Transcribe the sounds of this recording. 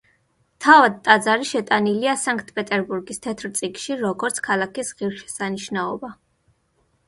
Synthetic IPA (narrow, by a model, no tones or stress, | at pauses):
t̪ʰavad̪̚t̪ʼad̪zaɾiʃɛt̪ʼaniliasaŋk̚ʰʼt̪ʰpʼɛt̪ʼɛɾbuɾɡist̪ʰɛt̪ʰɾt̪sʼikʃiɾɔɡɔɾt̪sʰkʰalˠakisʁiɾʃɛ̥saniʃnaɔba